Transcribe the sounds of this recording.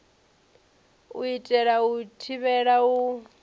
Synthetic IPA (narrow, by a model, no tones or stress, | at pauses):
ṵitʼɛɺautʰiβɛɺau